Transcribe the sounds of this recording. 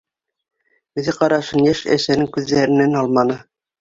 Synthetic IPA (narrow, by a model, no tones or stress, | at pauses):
ɵ̆ðɘqɑɾɑʃɤnjæʃæ̰ʃænɘŋkʉðːæɾɘ̆nænɑlˠmɑnɤ